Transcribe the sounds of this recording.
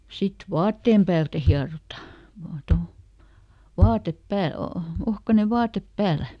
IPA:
sit ʋɑːtːeːm pæːltæ hiɑrotɑ ʋɑː tol ʋɑːtep pæːl o ohkɑne ʋɑːtep pæːlæ

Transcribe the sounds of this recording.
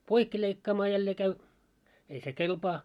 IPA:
poikːi leikːɑːmɑː jælːeː kæy ei se kelpɑː

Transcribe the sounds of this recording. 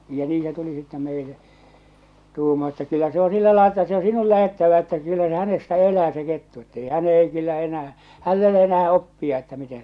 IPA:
jɑ niː se tuli sitːɛ meile tuːmɑː etːæ kylːæ se o silːæ lɑel etːæ se o sinul læhetːæʋæ etːæ kylːæ se hænestæ elæː se ketːu etːei hæn ei kylːæ enæː hælː e ole enæː opːiɑ etːæ mite

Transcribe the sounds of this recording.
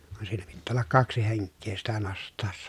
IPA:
ʋɑn siːnæ pitːæː olːɑk kɑksi heŋkːeː sitæ nostˑɑˑesːɑ

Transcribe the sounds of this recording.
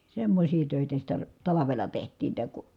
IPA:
semːosʲiː tøˑitæ sitæ tɑlɑʋelɑ tehtˑiːn tæ ku

